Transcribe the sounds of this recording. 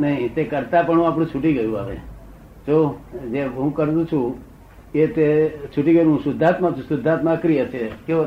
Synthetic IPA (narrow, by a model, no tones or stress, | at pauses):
nəɦĩt̪ekəɾt̪apəɳɦũapɽ̃ũt͡ʃʰuʈiɡəjũaʋḛ | d͡ʒod͡ʒeɦũkəɾt̪ũt͡ʃʰũ | ket̪et͡ʃʰuʈiɡəjũɦũsʊd̪ʱːat̪mãt͡ʃʰũsʊd̪ʱːat̪mãkɾijət͡ʃʰeke